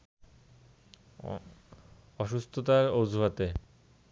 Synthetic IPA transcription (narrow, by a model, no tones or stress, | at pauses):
ɔʃust̪ʰot̪aɾowd͡ʑʱuɦat̪e